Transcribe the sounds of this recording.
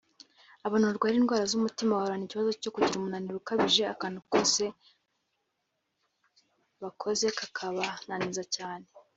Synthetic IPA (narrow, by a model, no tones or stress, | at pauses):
aβanooɾɡwaɾiːnɡwaːɾazumutimaβahoɾaniciβazo̞co̞kuɟiɾumunaniɾukaβiʒe̞akaːnukose̞ | βakʰo̞ze̞kakʰaβananizacaːne̞